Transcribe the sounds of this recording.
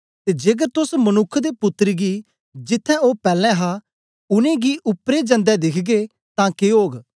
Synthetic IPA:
t̪eːd͡ʒeɡəɾt̪ʊsmənʊkʰːd̪epʊt̪ːəɾɡi | d͡ʒɪt̪ʰːɛ̃oːpɛːlɛ̃ːɦa | ʊnẽːɡiʔʊpɾed͡ʒə̃nd̪ɛd̪ɪkʰɡe | t̪ãːkeɦoːɡ

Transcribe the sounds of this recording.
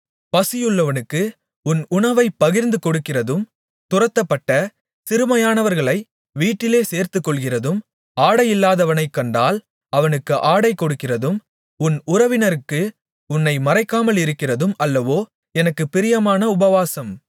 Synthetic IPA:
pɐsɪjɯɭːɐʋɐnɯkːɯ | ʊnʊɳɐʋɐɪpːɐɣɪɾnd̪ɯkɔɽɯkːɪrɐðɯm | t̪ʊrɐt̪ːɐpːɐʈːɐ | sɪɾɯmɐjaːnɐʋɐɾɣɐɭɐɪ | ʋiːʈːɪleːseːɾt̪ɯkːɔɭɣɪrɐðɯm | aːɽɐjɪlːaːðɐʋɐnɐɪkːɐɳɖaːl | ɐʋɐnɯkːɯʔaːɽɐɪkːɔɽɯkːɪrɐðɯm | ʊnʊrɐʋɪnɐɾɯkːɯ | ʊnːɐɪmɐɾɐɪkːaːmɐlɪɾɯkːɪrɐðɯmɐlːɐʋoː | ɛnɐkːɯpɪɾɪjɐmaːnɐʊbɐʋaːsɐm

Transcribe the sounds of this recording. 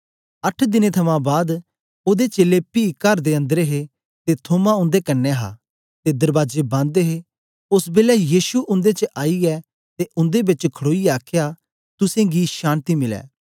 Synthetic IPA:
ɐʈʰd̪ɪnẽt̪ʰɐmãbaːd̪ | oːd̪et͡ʃeːlepiːkɐɾd̪eɐ̃nd̪əɾeɦe | t̪et̪ʰoːmãʊ̃nd̪ekɐnːɛɦa̰ː | t̪ed̪ɐɾbaːd͡ʒebãnd̪eɦe | ʊsbeːlɛjiːʃuʔʊ̃nd̪et͡ʃəʔaːiɛ | t̪eʔʊ̃nd̪ebɪt͡ʃkʰəɽoːiaːkʰja | t̪ʊsẽɡiʃãːnt̪imɪlɛ̰ː

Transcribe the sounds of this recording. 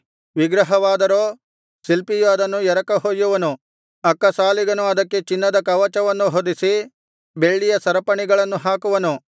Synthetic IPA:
ʋiɡɾɐɦɐʋaːd̪ɐɾoː | silpijoɐd̪ɐnːujɛɾɐkɐɦojuʋɐnu | ɐkːɐsaːliɡɐnuɐd̪ɐkːe̞t͡ʃinːɐd̪ɐkɐʋɐt͡ʃɐʋɐnːuɦod̪isi | be̞ɭːijɐsɐɾɐpɐɳiɡɐɭɐnːuɦaːkuʋɐnu

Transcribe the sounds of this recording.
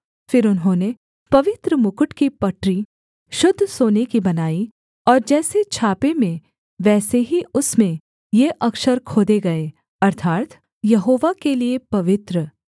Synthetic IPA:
fɪɾʊnɦõːne | pɐʋɪt̪ɾəmʊkʊʈkipɐʈɾi | ʃʊd̪ʱːsoːnekibɐnaːi | ɔːɾd͡ʒɛːset͡ʃʰaːpemẽ | ʋɛːseɦiʊsmẽ | jeʔɐkʃəɾkʰoːd̪eɡɐeː | ɐɾt̪ʰaːt̪ | jɐɦoːʋakeliepɐʋɪt̪ɾə

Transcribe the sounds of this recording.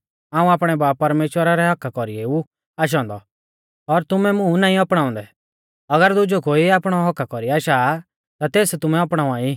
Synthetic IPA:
ãːũaːpɽ̃ɛbaːpːɐɾmeːʃwəɾaɾɛɦɐkːakɔɾieu | aːʃ̬ɔ̃ːnd̪ɔ | ɔɾt̪ʊmɛmʊ̃naːĩɔpɽ̃ãːɔ̃nd̪ɛ | ɐɡəɾd̪ʊd͡ʒokoːiaːpɽ̃ɔɦɔkːakɔɾiaːʃaː | t̪at̪eːst̪ʊmɛɔpɽ̃ãːai

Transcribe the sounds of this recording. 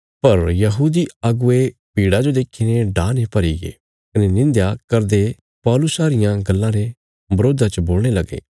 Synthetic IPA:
pɐɾjɐɦuːd̪iaɡʊepiːɽad͡ʒod̪eːkʰːineɖaːnepɐɾiɡḛː | kɐnenɪ̃nd̪jakɐɾd̪e | pɔːlʊsaːɾɪjãɡɐlːãɾe | bɐɾoːd̪ʱat͡ʃəboːlɽ̃elɐɡḛː

